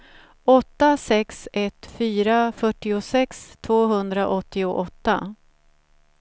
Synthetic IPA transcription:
ɔt̪ːasɛksɛt̪fyːɾafœʈːɪʊsɛkst̪ʰvoːɦɵnd̪ɾaʔɔt̪ːɪʊʔɔt̪ːa

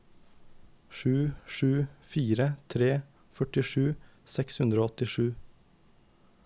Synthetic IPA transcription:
ʃʉːʃʉːfiːɾət̪ʰɾeː | fœʈɪʃʉːsɛkshʉnd̪ɾoːɔt̪ɪʃʉː

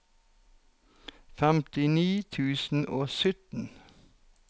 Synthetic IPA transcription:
fɛmt̪ɪniːt̪ʰʉːsn̩ʔoːsʏt̪n̩

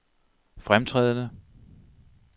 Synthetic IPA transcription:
fʁamt͡sʰʁɛ̰ðˠnə

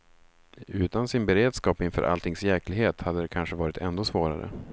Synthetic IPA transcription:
ʉ̟ːt̪ansɪnbɛɾeːd̪skɑːpɪnfœ̰ːɾʔa̰lt̪ʰɪŋsjɛklɪɡɦeːt̪had̪ːəd̪ɛkʰanʂəvɑːɾɪt̪ʰɛnd̪oːsvoːɾa̰ɾə̰

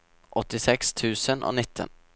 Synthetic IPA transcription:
ʔɔt̪ːɪsɛkst̪ʰʉ̟ːsənʔɔ̰nɪt̪ʰːə̰n

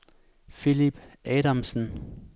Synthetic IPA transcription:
filib̥ʔɛːɾamsn̩

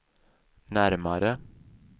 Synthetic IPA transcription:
næɾməɾə

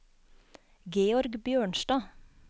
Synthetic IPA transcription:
ɡeːɔɾɡbjøːɳʃʈɑː

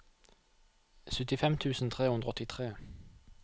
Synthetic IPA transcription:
sʉt̪ɪfɛmt̪ʰʉːsn̩t̪ʰʁeːhʉnd̪ʁəɔt̪ɪt̪ʰʁeː

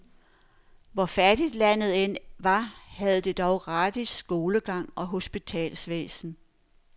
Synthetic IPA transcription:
ʋɒfæd̥id̥læn̰ð̞̩ˠen̰ʋɑ̈hæð̞ˠd̥e̝d̥ɒʊɡ̥ʁɑ̈ːd̥isːɡ̥o̝ːləɡ̥ɑ̈ŋ̰ɒ̽ɦo̝sb̥it͡sʰɛ̰ːlsʋḛːsn̩

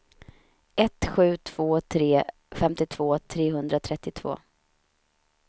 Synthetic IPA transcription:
ɛt̪ɧʉ̟ːt̪ʰv̥oːt̪ʰɾeː | fɛmt̪ɪt̪ʰv̥oːt̪ʰɾeːɦɵnd̪ɾat̪ʰɾɛt̪ːɪt̪ʰv̥o̰ː

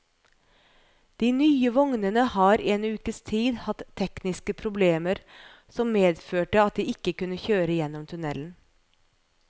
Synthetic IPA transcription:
d̪̥iːnyːəʋɔŋnənəhɑːɾeːnʉːkəst̪ʰiːd̪hɑt̪ʰːɛknɪskəpʰɾʊbleːməɾ | sɔmːeːd̪føːʈəɑt̪̚d̪iːɪkːəkʉnːəçøːɾəjɛnːɔmt̪ʰʉnɛln̩

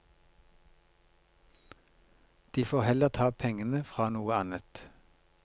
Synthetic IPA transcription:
d̪̥iːfoːʁhɛləʁt̪ʰɑːpʰɛŋənəfʁɑːnuːəɑnət̪

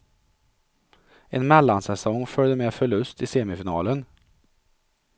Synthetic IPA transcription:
ɛnmɛlːansɛsɔŋːfœɭd̪əmɛːfœɭɵst̪ɪseːmɪfɪnɑːlən

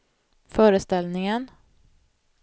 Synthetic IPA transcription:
fœːɾəst̪ɛlnɪŋən

